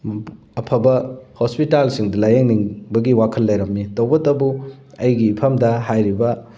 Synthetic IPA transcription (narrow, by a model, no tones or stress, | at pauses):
ɐpʰɐbɐhospitalsiŋdɐlajeŋniŋbɐɡiwakʰɐlːɐjɾɐmːitɐwbɐtɐbu | ɐjɡiːpʰɐmdɐɦajɾibɐ